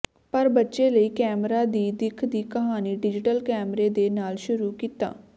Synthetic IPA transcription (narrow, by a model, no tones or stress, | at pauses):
pəɾbətːʃeːləiːkɛːmɾaːd̪iːd̪ɪkʰd̪iːkəɦaːniːɖɪd͡ʒɪʈəlkɛːmɾeːd̪eːnaːlʃʊɾuːkiːt̪a̰ː